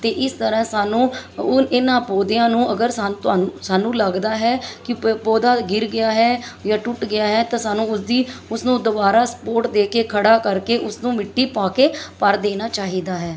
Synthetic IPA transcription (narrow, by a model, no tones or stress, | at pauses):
t̪eːʔɪst̪əɾãːsaːnũːɪnãːpoːd̪ejãːnũːʔəɡəɾsat̪aːnusaːnũːləɡd̪aːɦɛːkɪpoːd̪aːɡɪɾɡɪjaːɦɛːjaːʈʊʈɡɪjaːɦɛːt̪ãːsaːnũːʊsd̪iːʊsnũːd̪ʊbaːɾaːsə̥poːɾʈd̪eːkeːkʰəɽaːkəɾkeːʔʊsnũːmɪʈːiːpaːkeːpəɾd̪eːnaːt͡ʃaːɦiːd̪aːɦɛː